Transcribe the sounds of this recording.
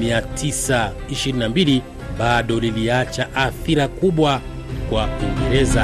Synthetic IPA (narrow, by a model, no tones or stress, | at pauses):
miatʰisaiʃiɾinambili | ɓaɗɔliliat͡ʃaʔaθiɾakuɓwa | kwauŋɡɛɾɛza